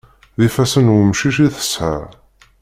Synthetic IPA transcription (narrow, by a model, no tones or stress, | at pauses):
ðifæsənwəmʃiʃiθə̥sħə̰ɾ